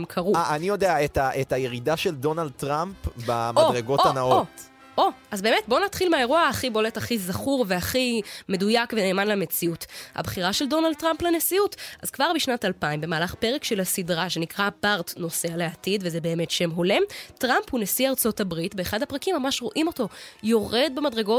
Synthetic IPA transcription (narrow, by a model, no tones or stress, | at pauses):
mkʰɐʁuaʔanijo̞deaetaʔetajeʁidaʃeldo̞nald̪̚t̪ʁampbamoʁeɡo̞tanao | ʔo̞azbeːmetbo̞nat̪χilmeae̞ʁuaːχibo̞letaχizaχuʁveaχime̞dujakvene̞ːmanlemet͡siutha̰bχiʁaʃe̞ldo̞nald̚tːʁamplenesiutʔa̰zkvaʁbiʃnatalpaimbe̞maːlaχpe̞ʁekʃe̞lasidʁaʃe̞nikʁabaʁtno̞sealeatidvezebe̞ːme̞tʃe̞mɦole̞mtʁamphunesiaʁt͡so̞tabʁitbe̞ːχadhapʁakimːamaʃʁo̞ʔimo̞to̞jo̞ʁe̞d̪̚bemadʁeɡo̞